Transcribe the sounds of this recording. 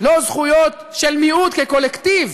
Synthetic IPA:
lo̞zχujot̪ʃelmiud̪keko̞lekt̪iv

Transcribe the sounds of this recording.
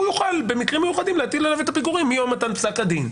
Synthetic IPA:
ujuχalbe̞mikʁimːejuχad̪imlehat̪ilalave̞t̪apiɡuʁimːijo̞mːat̪anpsakad̪in

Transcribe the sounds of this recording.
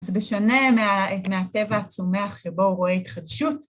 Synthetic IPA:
zbeʃone̞meameate̞vahat͡some̞aχʃebo̞uʁo̞eit̪χadʃut

